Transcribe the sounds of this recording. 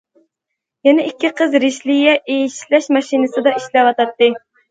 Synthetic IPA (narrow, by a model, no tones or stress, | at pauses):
jɛnɛʔikʲːɪqʰəzɾiʃlɪjɛʔejiʃlɛʃmɑʃinɨsɨd̪ɑiʃlɛwɑt̪ɑt̪ːɨ